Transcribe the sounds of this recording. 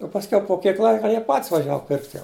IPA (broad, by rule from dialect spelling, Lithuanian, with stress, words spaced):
oː pɐsʲˈkʲɛʊ poː ˈkʲiɛk ˈlˠɐɪkɐ ˈjiɛ pɐtʲsʲ ʋɐˈʒʲæːʋɐ pʲɪrktʲ jɛʊ